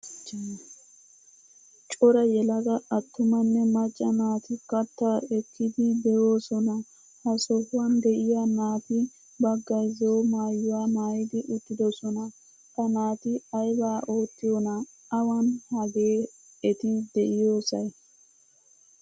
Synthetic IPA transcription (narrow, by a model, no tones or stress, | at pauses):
t͡ʃʼɔɾɐjɛlɐɡɐʔɐt̪ːʊmɐnːɛmɐt͡ʃʼːɐnaːt̪ɪkɐt̪ːɐɛkːɪd̪ɪd̪ɛjo̞ːsɔnɐ | hɐsɔhwɐnd̪ɛʔɪjanaːt̪ɪ | bɐɡːɐjzoːmaːjːʊwaːmaːjɪd̪ɪʔʊt̪ːɪd̪ɔsɔnɐ | kɐnaːt̪ɪɐjbaːʔo̞ːt̪ːɪjonɐ | ɐwɐnhɐɡeː | ɛt̪ɪd̪ɛʔɪjoːsɐj